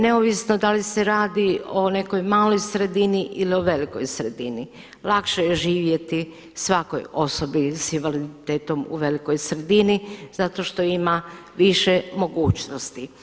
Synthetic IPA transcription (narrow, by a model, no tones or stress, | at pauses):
ne̞oʋisnod̪alise̞ɾaːd̪io̞ne̞ko̞jmaːlo̞jsɾe̞d̪iniʔilio̞ʋe̞liko̞̰jsɾe̞d̪ini | lˠakʃejeʒiːʋje̞t̪i | sʋako̰jo̞so̞bisinʋalid̪it̪eːt̪o̞mṵʋe̞liko̞jsɾe̞d̪iniz̥at̪o̞ʃt̪o̞ima | ʋiʃe̞mo̞ɡuːt͡ɕnost̪i